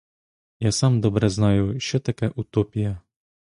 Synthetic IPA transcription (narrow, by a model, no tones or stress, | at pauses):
jasɑmd̪ɔbɾɛznɑjʊʃt͡ʃɔt̪ɐkɛʔut̪ɔpʲijɐ